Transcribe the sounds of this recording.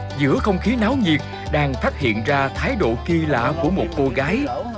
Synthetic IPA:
zɨ̰˧˥əxə˧wŋ͡mxi˨˦naː˨˦wɲi˨˩ək̚ | ɗaː˧ŋfaː˦˥t̚hḭ˧˨ənzaː˧t̪ʰaː˨˦jɗo̰˧˨ki˧la̰ː˧˨ku˧˩əmo˨˩t̚ko˧ɣaː˨˦j

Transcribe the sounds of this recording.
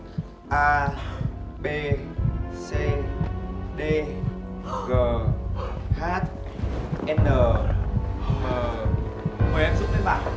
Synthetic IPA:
ʔaː˧ | ɓe˧ | se˧ | ɗe˧ | ɣəː˨˩ | haː˦˥t̚ | ʔɛ˧nəː˨˩ | məː˨˩ | mə˨˩ʔɛ˨˦mzu˦˥p̚t̪əː˨˦ɓa̰ː˧˨n

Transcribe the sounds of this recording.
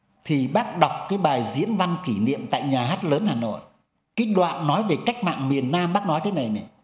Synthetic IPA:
t̪ʰi˨˩ɓaː˦˥k̚ɗa˨˩wk͡p̚kaː˨˦jɓaː˨˩jzḭ˧˥ənva˧nki˧˩nḭ˧˨əmt̪a̰ː˧˨jɲaː˨˩ɦaː˦˥t̚ləː˨˦nhaː˨˩no̰˧˨jʔ | kaː˨˦jɗwa̰ː˧˨nːɔ˨˦jve˨˩ka˦˥jk̚ma̰ː˧˨ŋmi˨˩ənːaː˧mɓaː˦˥k̚nɔ˨˦jt̪ə˨˦na˨˩jnɛ˨˩

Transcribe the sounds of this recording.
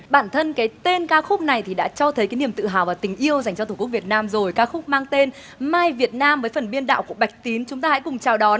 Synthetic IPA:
ɓaː˧˩nt̪ʰə˧nkaː˨˦jt̪e˧nkaː˨˧˥xʊ˦˥k͡p̚na˨˩jt̪ʰi˨˩ɗa̰ː˧˥t͡ɕɔ˧t̪ʰə˨˦jkaː˨˦ni˧˩əmt̪ɨ̰˧˨ɦa̰ː˨˩wvaː˨˩t̪ï˨˩ŋ̟ʔi˧əwza˨˩jŋ̟t͡ɕɔ˧t̪ʰu˧˩˦k̚vi˨˩ət̚naː˧mzo˨˩jkaː˧xʊ˦˥k͡p̚maː˧ŋt̪e˧n | maː˧jvi˨˩ət̚naː˧mvəː˨˦jfə˨˩nɓi˧ənɗa̰ː˧˨wku˧˩əɓa˨˩jk̟̚t̪i˨˦nt͡ɕʊ˨˦ŋ͡mt̪aː˧ha̰˧˥jkʊ˨˩ŋ͡mt͡ɕaː˨˩wɗɔ˨˦n

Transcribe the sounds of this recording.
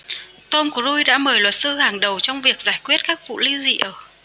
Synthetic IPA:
t̪o˧mku˧˩əzu˧jɗa̰ː˧˥məː˨˩jlwə˨˩t̚sɨ˧haː˨˩ŋɗə˨˩wt͡ɕɔ˧wŋ͡mvi˨˩ək̚z̥aː˧˩jkwi˦˥ət̚kaː˦˥k̚vṵ˧˨li˧zḭ˧˨ʔəː˧˩

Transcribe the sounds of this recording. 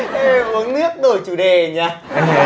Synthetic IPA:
ʔe˧mu˨˦ənnɨ˦˥ək̚ɗo˨˧˩jt͡ɕu˧˩ɗe˨˩ɲaː˧˨

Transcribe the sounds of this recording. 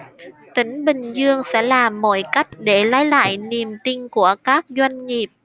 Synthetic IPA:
t̪ï˨˦ŋ̟ɓï˨˩ŋ̟zɨ˧əŋsɛ̰˧˥laː˨˩mːo̰˧˩jka˦˥jk̟̚ɗe˧˩laː˨˦jla̰ː˧˨jni˨˩əmt̪i˧ŋ̟ku˧˩əkaː˦˥k̚zwa˧jŋ̟ŋi˨˩əp̚

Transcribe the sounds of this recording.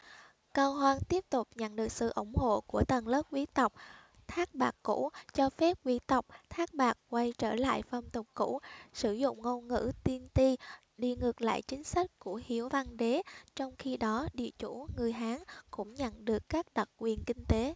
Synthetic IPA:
kaː˧wɦwaː˧ŋt̪i˦˥əp̚t̪ʊ˨˩k͡p̚ɲə̰˧˨nɗɨ˨˩ək̚sɨ̰˧˨ʔʊ˧˩ŋ͡mho̰˧˨ku˧˩ət̪ə˨˩nləː˦˥p̚kwi˨˦t̪ə˨˩wk͡p̚ | t̪ʰaː˦˥k̚ɓaː˨˩kːṵ˧˥t͡ɕɔ˧fɛ˦˥p̚kwi˧˦t̪ə˨˩wk͡p̚t̪ʰaː˦˥k̚ɓaː˨˩k̚kwa˧jt͡ɕəː˧˩la̰ː˧˨jfə˨˧˩ŋ͡mt̪ʊ˨˩k͡p̚kṵ˧˥sɨ˧˩zʊ̰˧˨ŋ͡mŋo˧ŋɨ̰˧˥t̪i˧ənt̪i˧ | ɗi˧ŋɨ˨˩ək̚la̰ː˧˨jt͡ɕï˨˦ŋ̟sa˦˥k̟̚ku˧˩əhi˨˦əwva˧nɗe˨˦t͡ɕɔ˧wŋ͡mxi˧ɗɔ˨˦ɗḭ˧˨ət͡ɕu˧˩ŋɨ˨˩əjɦaː˨˦ŋkʊ̰˧˥ŋ͡mɲə̰˧˨nɗɨ˨˩əkːaː˦˥k̚ɗə˨˩k̚kwi˨˩ənkï˧ŋ̟t̪e˨˦

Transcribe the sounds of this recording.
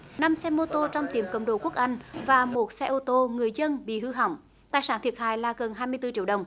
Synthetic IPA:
na˧msɛ˧mo˧t̪o˧t͡ɕɔ˧wŋ͡mt̪i˨˩əmkə̰˧˨wŋ͡mɗo˧˩ku˦˥ək̚ʔa˧jŋ̟vaː˨˩mo˨˩t̚sɛ˧ʔo˧t̪o˧ŋɨ˨˩əjzə˧nɓḭ˧˨ɦɨ˧ɦa̰˨˩˦wŋ͡m | t̪aː˨jsaː˧˦nt̪ʰi˨˩ət̚haː˧˨jlaː˨˩ɣə˨˩nɦaː˧jmɨ˧əjt̪ɨ˧t͡ɕi˧˥əwɗə˨˩wŋ͡m

